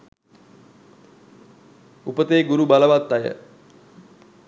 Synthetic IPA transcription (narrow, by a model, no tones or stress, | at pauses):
upət̪eːɡuɾubaləʋat̪ːajə̰